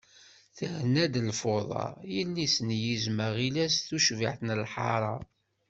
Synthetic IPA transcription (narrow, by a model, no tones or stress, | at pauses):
θəhnæd̪lfoðˤɑ̰jilːisənjizməʁilæsθuʃviʕθnəlħɑ̰ɾˤɑ